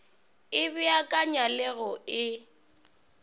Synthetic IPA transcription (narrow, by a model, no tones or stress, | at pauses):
ɪbɪakʼaɲalɛɣɔɪ